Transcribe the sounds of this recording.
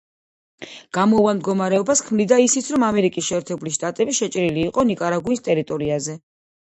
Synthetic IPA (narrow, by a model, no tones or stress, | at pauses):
ɡ̥amɔvamd̪ɡɔmaɾɛɔbaskʰmnd̪id̪aisit̪sʰɾɔmamɛɾikʼisʃɛːɾt̪ʰɛbuliʃt̪ʼat̪ʼɛbiʃɛt͡ʃʼɾiliːqʼɔnikʼaɾaɡuinst̪ʼɛɾit̪ʼɔɾiazɛ